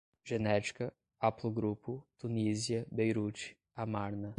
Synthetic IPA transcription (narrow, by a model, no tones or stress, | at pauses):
ʒenɛt͡ʃi̥kɐ | aplˠuɡɾuput̪uniziɐbejɾut͡ʃi̥ | amaɾnɐ